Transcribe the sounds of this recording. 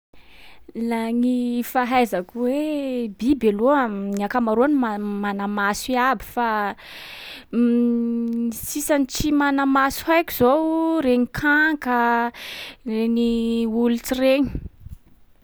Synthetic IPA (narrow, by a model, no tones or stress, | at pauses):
laŋifaɦajzakwebibeluəniakamaɾuanimamanamasiabi̥fa | isisanit͡simanamasuɦajki̥z̥owɾeɲikʰaŋkə | reɲiulut͡sireɲi̥